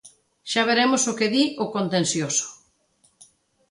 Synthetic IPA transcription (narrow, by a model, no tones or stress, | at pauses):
ʃaβ̞eɾemosokeðiʔokont̪ẽnsjoso̥